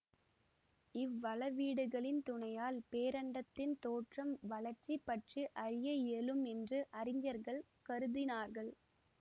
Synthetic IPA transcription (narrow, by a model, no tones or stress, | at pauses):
ɪʋːɐɭɐʋiːɽɯɣɐɭɪnt̪ʊɳɐjaːlpeːɾɐɳɖɐt̪ːɪnt̪oːʈrɐmʋɐɭɐɾt͡ʃːipːɐʈriʔɐɾɪjɐjeːlɯmɛndrɯʔɐɾɪɲd͡ʒɐɾɣɐɭ | kɐɾɯðɪnaːɾɣɐɭ